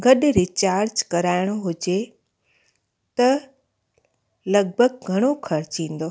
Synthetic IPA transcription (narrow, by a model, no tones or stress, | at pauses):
ɡɐɗɾɪt͡ɕaːɾd͡ʒkɐɾaːɪɽ̃oɦʊd͡ʑe | t̪ɐ | lɐɡ̚bʱəɡ̚ɡʱɐɽ̃okʰɐɾt͡ɕĩːn̆d̪oː